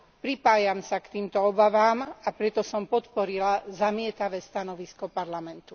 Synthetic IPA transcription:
pɾipaːjamsakt̪iːmt̪ɔɔbaʋaːmapɾɛt̪ɔsɔmpɔt̪pɔɾilazamɪɛt̪aʋɛːst̪anɔʋiskɔpaɾlamɛnt̪u

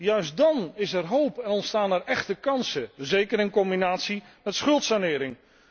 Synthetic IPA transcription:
jœɥs̚dɑnɪsɛɹɦowpɛnɔntstaːnɛɹɛχtəkɑnsəzejkəɾɪnkɔmbinaːtsi | mɛtsχɵlˠtsanɪːɾɪŋ

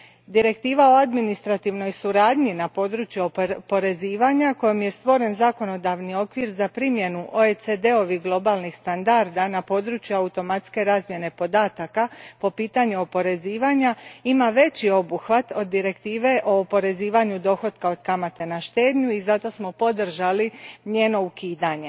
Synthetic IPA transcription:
d̪iɾe̞kt̪iːʋao̞ad̪minist̪ɾat̪iʋno̞jsuɾaːd̪ɲinapo̞d̪ɾut͡ɕjuopo̞ɾe̞ziːʋaɲako̞jomje̞st̪ʋo̞ɾe̞nzako̞no̞d̪aʋnio̞kʋiɾzapɾimje̞nuʔoesed̪e̞o̞ʋiɡlˠo̞balˠnixst̪and̪aɾd̪anapo̞ːd̪ɾut͡ɕjuaut̪o̞mat̪ske̞ɾaːzmje̞ne̞po̞d̪aːt̪akapo̞piːt̪aɲuo̞po̞ɾe̞ziːʋaɲaimaʋe̞t͡ɕio̞buxʋat̪o̞d̪ːiɾe̞kt̪iːʋe̞ʔo̞ːpo̞ɾe̞ziːʋaɲud̪o̞xo̞d̪kao̞d̪kamat̪e̞naʃt̪e̞ːd̪ɲuizat̪o̞smo̞po̞d̪r̩ʒaliɲe̞ːno̞ukiːd̪aɲe̞

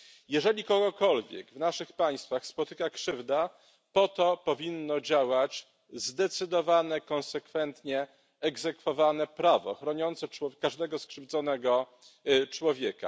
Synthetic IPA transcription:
jɛʐɛlʲikɔɡɔkɔlvʲjɛ̰ɡvnaʂɘxpaj̃st̪faxspɔt̪ɘkakʂɘvd̪a | pɔt̪ɔpɔvʲinːɔd͡ʑawat͡ɕ | zd̪ɛt̪sɘd̪ɔvanɛkɔ̃ñsɛkfɛnt̪ɲɛː | ɡzɛkfɔvanɛpɾavɔ̰xɾɔɲɔnt̪sɛt͡ʂwɔkaʐd̪ɛɡɔskʂɘvd̪zɔnɛɡɔ | t͡ʂwɔvʲjɛka̰

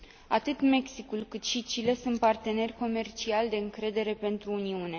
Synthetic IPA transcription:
at̪ɨt̪me̞ksikulkɨt̪ʃit͡ʃile̞sunt̪̚part̪e̞ne̞rʲko̞me̞rt͡ʃialʲd̪e̞ɨŋkɾe̞d̪e̞ɾe̞pe̞nt̪ɾuːniune̞

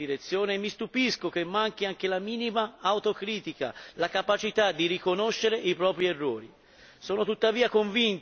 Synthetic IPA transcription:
iɾet̪sːjoːnemːist̪upiskok̟emːaŋk̟iaŋkelamiːnimaːwt̪okɾiːt̪ika̰lakapat͡ʃit̪ad̪ːiɾikonoʃːeɾeʔipɾɔːpɾierːoːɾi | sɔːnot̪ut̪ːaviːakoɱvint̪

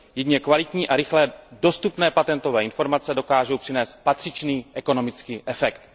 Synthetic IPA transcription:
jɛdɲɛkvalɪt̪ɲiːʔaɾɪxlɛːdo̞st̪upnɛːpat̪ɛnt̪ovɛːɪnfo̞ɾmat͡sɛdo̞kaːʒowpr̥ɪnɛːst̪̚pat̪r̝̥ɪt͡ʃniːʔɛko̞no̞mɪt͡skiːʔɛfɛkt̪

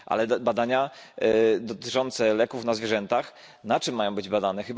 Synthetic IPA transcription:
ʔa̰lɛbad̪aɲa | d̪ɔt̪ɘt͡ʂɔnt̪sɛlɛkufnazvʲjɛʐɛnt̪ax | nat͡ʂɘmːajɔ̃bɘd͡ʑbad̪anɛxɘb

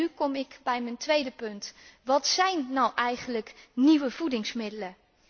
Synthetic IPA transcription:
ykɔmɪkbɛjməntʋejdəpɵntʋɑtsɛjnːɔwʔɛjχənləkniʋəvudɪŋsmɪdələ

